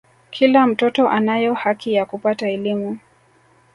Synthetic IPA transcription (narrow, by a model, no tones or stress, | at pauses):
kʰilam̩tɔtɔʔanajɔhakijakupataɛlimu